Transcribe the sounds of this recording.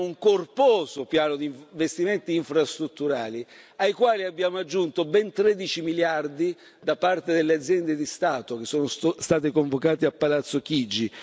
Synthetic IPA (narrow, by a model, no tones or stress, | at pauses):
uŋkorpɔːsopjaːnod̪iɱɱvest̪iment̪iːɱfɾast̪ɾut̪ːuɾaːliajkwaːliabːjaːmoad͡ʒːunt̪obɛnt̪ɾed̪it͡ʃimiljard̪i | d̪apart̪ed̪elːead̪zjɛnd̪ed̪ist̪aːt̪ok̟esːoːnost̪aːt̪ekoɱvokaːt̪eapːalat̪sːok̟id͡ʒːi